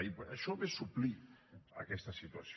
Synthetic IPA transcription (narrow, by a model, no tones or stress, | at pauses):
ipəʃɔβesuplia̰kɛst̪asit̪uas